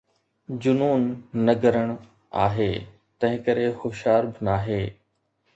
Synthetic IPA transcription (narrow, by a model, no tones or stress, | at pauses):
d͡ʑʊnuːnːɐɡəɾəɽ̃ | a̰ːɦeː | t̪ɐ̃ɦɪ̃kɐɾexʊʃaːɾbɪnaːɦeː